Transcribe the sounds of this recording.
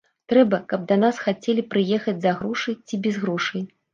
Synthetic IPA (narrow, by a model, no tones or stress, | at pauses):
t̪ɾɛbɐkɐb̚d̪ɐn̪asxat͡sʲɛlʲipɾɨjɛxɐd͡zʲzɐɣɾuʂɨjt͡sʲibʲɛzɣɾuʂɨj